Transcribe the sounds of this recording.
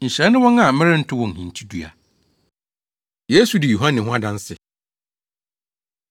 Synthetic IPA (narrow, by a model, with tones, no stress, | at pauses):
ɲ̩˨ɕɛ˨˦nːʊ̃˦wɔ̃˦na˨˦mɪ̃˦ɾɪ˦n̩˦tʰʊ˦wɔ̃˨n̩˨hĩ˨n˨tʰi˦du˦a̰˨ | je˦su˨dɪ˨ju˨ɦã˦nɪ̃˨ɦʊ̃˦a˦dã˦n˦sɪ˨